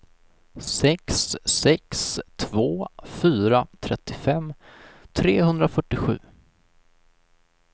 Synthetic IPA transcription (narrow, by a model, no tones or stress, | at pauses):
sɛksɛkst̪ʰvoːfyːɾat̪ʰɾɛt̪ʰːɪfɛmːt̪ʰɾeːhɵnd̪ɾafœʈːɪɧʉ̟ː